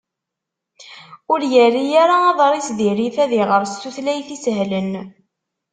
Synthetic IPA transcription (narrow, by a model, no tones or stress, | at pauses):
ʊɾjərːijaɾaɑðˤɾˤisðiɾiθæðiʁəɾst̪uθlæjθisɦlən